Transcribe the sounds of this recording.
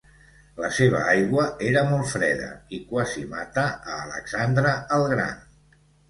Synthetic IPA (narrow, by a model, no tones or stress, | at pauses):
ləseβ̞ə̰ajɣwəeɾəmɔlˠfɾɛðə̰ikwazima̰t̪əəːlə̰ksand̪ɾəəlˠɣɾa̰n